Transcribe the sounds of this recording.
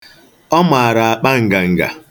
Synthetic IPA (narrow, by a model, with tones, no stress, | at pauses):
ɔ˦ma˨a˨ɾa˨a˨k͡pa˦ŋ̩˨ɡa˨ŋ̩˨ɡa̰˨